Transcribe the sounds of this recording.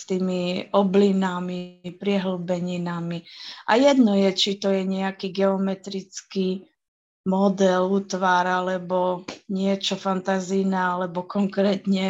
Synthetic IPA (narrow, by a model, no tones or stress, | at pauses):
st̪iːmiɔblinamipɾɪɛɦl̩bɛɲinamiʔa̰jɛd̪nɔjɛt͡ʃit̪ɔjɛɲɛakiːɡɛɔmɛt̪ɾit͡ski | mɔd̪ɛluːt̪ʋaɾalɛbɔɲɪɛt͡ʃɔfant̪azijnaalɛbɔkɔŋkɾɛːt̪ɲɛ